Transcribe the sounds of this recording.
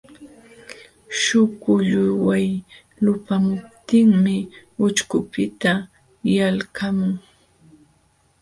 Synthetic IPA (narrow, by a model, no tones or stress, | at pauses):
ʃʊkʊʎʊjwaj | lʊpamʊp̚t̪ɪŋmɪʊt͡ʃkʊpɪt̪a | jalkamʊŋ